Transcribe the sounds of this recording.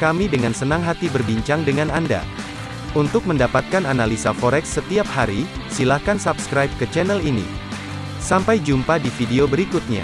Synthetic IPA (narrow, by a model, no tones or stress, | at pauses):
kamidəŋansənaŋɦat̪ibərbiɲt͡ʃaŋdəŋananda̰ | unt̪ʊk̚məndapat̪̚kananalisafoɾɛksːət̪iap̚haɾisilahkansapskɾajp̚kət͡ʃɛnɛlinḭ | sampajd͡ʒumpadifideobəɾikut̪̚ɲa̰